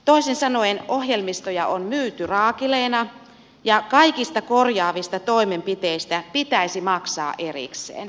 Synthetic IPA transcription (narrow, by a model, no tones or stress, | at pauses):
t̪oisensɑnoenohjelmist̪ojɑʔonmyːt̪yrɑːkileːnɑ | jɑkɑikist̪ɑkorjɑːʋist̪ɑt̪oimempit̪eist̪æpit̪æisimɑksɑ̰ːʔʔerḭksˑḛːn